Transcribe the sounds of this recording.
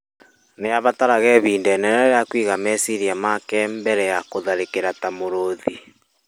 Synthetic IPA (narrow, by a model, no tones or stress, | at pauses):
nejaβataɾaɣɛβiːndɛnɛɾɛɾeakwiːɣamɛsiɾiamakɛmbɛɾɛjakoðaɾekeɾatamoɾoði